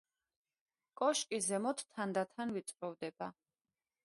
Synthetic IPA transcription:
kʼɔʃkʼizɛmɔt̪ʰt̪ʰand̪at̪ʰanvit̪sʼɾɔvd̪ɛba

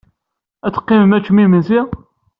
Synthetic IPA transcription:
æt͡sːə̥qːiməmæt͡ʃːmimənzi

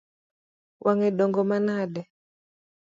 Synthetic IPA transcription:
wʔaŋɛɗɔŋɡɔmanaɗɛ

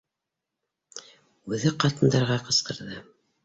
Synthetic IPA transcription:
ʉðɘqɑt̪ɤ̆nd̪ɑɾʁɑqɤ̆sqɤ̆ɾðɤ

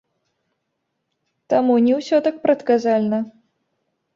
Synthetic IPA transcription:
t̪amunʲɛwsʲɔt̪ak̚pɾɐt̪kazalʲnɐ

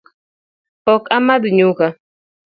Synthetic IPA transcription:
ɔkamabiɲuka

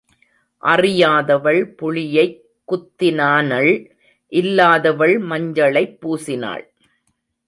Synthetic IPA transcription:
ʔɐrɪjaːðɐʋɐɭpʊɭɪjɐɪ | kːʊt̪ːɪnaːnɐɭ | ʔɪlːaːðɐʋɐɭmɐɲd͡ʒɐɭɐɪpːuːsɪna̰ːɭ

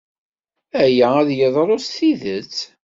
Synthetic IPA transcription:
æjææðjəðˤɾˤosθiðət͡sː

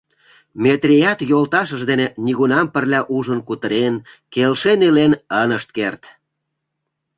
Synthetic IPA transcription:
mʲet̪rʲiɑt̪jolt̪ɑʃə̆ʒd̪enenʲiɣunɑmpə̆rlʲɑʔuʒənkut̪əɾenkelʃenelenənəʃt̪kert̪

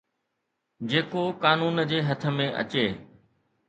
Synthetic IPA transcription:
d͡ʑeːkokaːnuːnd͡ʑeːɦət̪ʰə̆mẽʔɐ̰t͡ɕeː

